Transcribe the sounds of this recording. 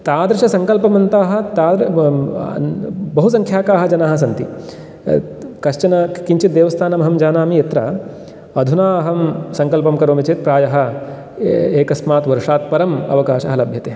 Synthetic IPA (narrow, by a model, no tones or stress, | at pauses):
t̪aːd̪ɾɐʃɐsɐŋkɐlpɐmɐnt̪aːɦɐ̆t̪aːd̪ɾ | bɐɦus̬ɐŋkʰjaːkaːɦɐ̆d͡ʒɐnaːɦɐs̬ɐnt̪i | kɐʃt͡ʃɐnɐkiɲt͡ʃit̪̚d̪eːʋɐst̪ʰaːnɐmɐɦɐmd͡ʒaːnaːmijet̪ɾɐ | ɐd̪ʱunaːɐɦɐmsɐŋkɐlpɐmkɐɾoːmit͡ʃeːt̪̚pɾaːjɐɦɐ̆ | eːkɐsmaːt̪ʋɐɾʂaːt̪̚pɐɾɐmɐ̰ʋɐkaːʃɐɦɐlɐbʱjɐt̪eɐ